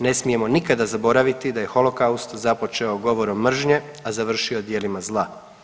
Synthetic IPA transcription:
ne̞smije̞mo̞nikad̪azabo̞ɾaʋit̪id̪aje̞xo̞lˠo̞kaust̪zapo̞t͡ʃe̞oɡo̞ʋo̞ɾomːr̩ʒɲe̞ | azaʋr̩ʃiod̪je̞limazlˠa

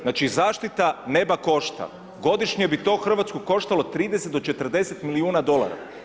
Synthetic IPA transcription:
naːt͡ʃizaːʃt̪it̪ane̞bako̞ʃt̪a̰ | ɡo̞d̪iʃɲebit̪o̞xr̩ʋat̪skuko̞ʃt̪alo̞t̪ɾiːd̪eset̪̚d̪ot͡ʃet̪r̩d̪e̞set̪miliuːnad̪o̞lˠa̰ɾa̰

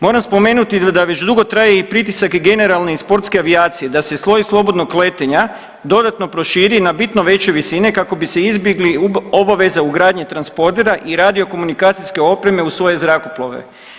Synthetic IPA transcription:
mo̞ːɾamspo̞me̞ːnut̪id̪aʋe̞t͡ʃd̪uɡo̞t̪ɾaːjeipɾit̪isakɡe̞ne̞ɾalˠneispo̞ɾt̪skeaʋiaːt̪sije̞d̪ase̞sʋo̞jislˠo̞bo̞d̪nokkle̞t̪eɲa | d̪o̞d̪at̪no̞pɾo̞ʃiːɾinabit̪no̞ʋe̞t͡ɕeʋisine̞kako̞bise̞izbjeɡlio̞baʋe̞zauɡɾaːd̪ɲet̪ɾanspo̞ɾt̪e̞ɾaʔiɾad̪io̞ko̞munikaːt̪siske̞o̞pɾe̞me̞usʋo̞je̞zɾako̞plˠoʋḛ

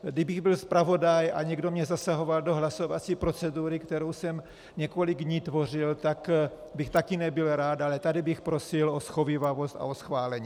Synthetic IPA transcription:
dɪbɪɣbɪlspɾavo̞daja̰ɲɛɡdo̞mɲɛzasaɦo̞valdo̞ɦlaso̞vat͡siːpɾo̞t͡sɛduɾɪkt̪ɛɾowsɛm | ɲɛko̞lɪɡdɲiːt̪vo̞r̝ɪlt̪ak | bɪxt̪akɪnɛbɪlɾaːt̪alɛt̪adɪbɪxpɾo̞sɪlo̞sxo̞vɪvavo̞st̪a̰o̞sxvaːlɛɲiː

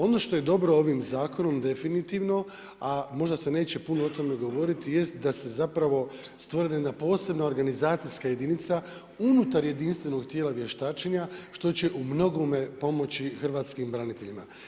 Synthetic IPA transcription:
o̞no̞ʃt̪o̞je̞d̪o̞bɾo̞o̞ʋimzaːko̞no̞md̪e̞finit̪iʋno̞ | amo̞ʒd̪ase̞ne̞ːt͡ɕe̞punoot̪o̞me̞ɡo̞ʋo̞ɾit̪ije̞st̪d̪ase̞zapɾaʋo̞ | st̪ʋoɾejed̪napo̞ːse̞bnao̞ɾɡanizaːt̪sijskaje̞d̪init̪sa | unut̪aɾje̞d̪inst̪ʋe̞no̞ɡt̪jeːlaʋje̞ʃt̪aːt͡ʃeɲaʃt̪o̞t͡ɕe̞ʔumno̞ɡome̞po̞mo̞t͡ɕixr̩ʋaːt̪skimbɾanit̪e̞ʎima

